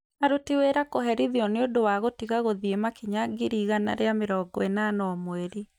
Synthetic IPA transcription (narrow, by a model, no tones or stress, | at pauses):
aɾotiweɾakoɦɛɾiðiɔneodowaɣotiɣaɣoðiemakiɲaɡiɾiɣana̰ɾeameɾɔːɡɔenanɔɔmweɾi